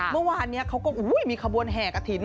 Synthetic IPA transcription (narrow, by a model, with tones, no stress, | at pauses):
mɯ˥˩˨waː˧nːi˦˥ɐkʰa˦˥wkɔː˥˩ʔuː˨˦˥jmiː˧kʰa˧bu˧ənɦɛː˨˩ka˧˩t̪ʰiː˨˩˦n